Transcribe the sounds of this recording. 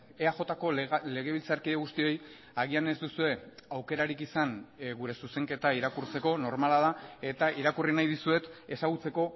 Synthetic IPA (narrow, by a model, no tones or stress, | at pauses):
eaʝo̞t̪ako̞le̞ɣ̞e̞β̞ilt͡saɾkiðeɣust̪io̞j | aɣianezd̪usue̞awke̞ɾaɾikisanɣuɾe̞suse̞ŋke̞t̪aiɾakuɾt͡se̞ko̞no̞ɾmalað̞ae̞t̪aiɾakurinajðisue̞t̪e̞saɣ̞ut͡se̞ko̞